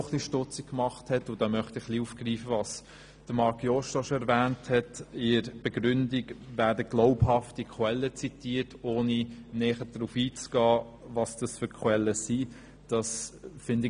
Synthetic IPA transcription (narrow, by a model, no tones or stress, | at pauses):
χliʃtʊt͡sikkmɑχthɛtʊdɑmœχtɪχliuːfɡ̥riːfəvɑs | d̥əmɑɾkjɔʃtɔʃɔɛɾvæːnthɛtɪɾb̥ɛɡɾʏndiɡvæːɾdəɡ̥loʊphɑftikʰwɛlːət͡sitiːətʰoːninɛːχəd̥ɾufiːt͡sɡ̥ɑː | vɑsd̥ɑsfʏɾkʰχwɛlːəsi | d̥ɑsfɪndɪ